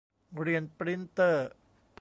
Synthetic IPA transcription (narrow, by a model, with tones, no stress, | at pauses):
ɡɾi˧ənpɾi˦˥nt̪ə˧ | p